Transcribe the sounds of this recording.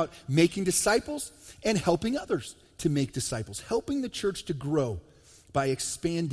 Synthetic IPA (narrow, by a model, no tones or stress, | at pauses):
ʊt̚meɪkɪ̃ŋdɨsaɪpl̩ˠz̥ɨ̃nhɛlˠpɪ̃ŋʌðə˞z̥ | tʰɨmeɪk̚d̥ɨsaɪpl̩ˠz̥hɛlˠpɪ̃ŋðɨt͡ʃʰɜ˞t͡ʃtʰɨɡɹoʊ | b̥aɪɨkspæ̃nd